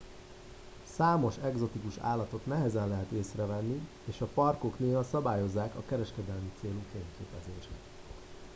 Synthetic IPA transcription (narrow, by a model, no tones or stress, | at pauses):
saːmo̞ʃɛɡzo̞t̪ikuʃa̰ːlːɒt̪o̞t̪nɛɦɛzɛnlɛɦɛt̪eːsrɛvɛnːi | eːʃɒpɒrko̞kneːɦɒsɒbaːjo̞zːaːkɒkɛɾɛʃkɛd̪ɛlmit̪seːlukeːɲkḛːpɛzeːʃɛ̰t̪